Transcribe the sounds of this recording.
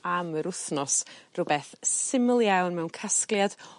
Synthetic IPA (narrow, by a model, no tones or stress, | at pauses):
aməɾʊθnɔsrʊbɛθsɪməlˠjawnmɛwnkʰasklˠjad̥